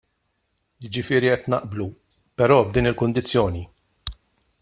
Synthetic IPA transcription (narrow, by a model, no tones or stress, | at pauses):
jɪd͡ʒɪfɪːɾiɛt̪nɐ̰ʔblu | pɛɾɔːb̚d̪iːnɪlkʊnd̪ɪt͡sːjɔːni